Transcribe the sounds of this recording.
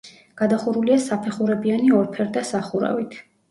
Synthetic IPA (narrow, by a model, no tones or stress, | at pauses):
ɡ̥ad̪aχuɾuliasapʰɛχuɾɛbianiɔɾpʰɛɾd̪asaχuɾa̰vit̪ʰ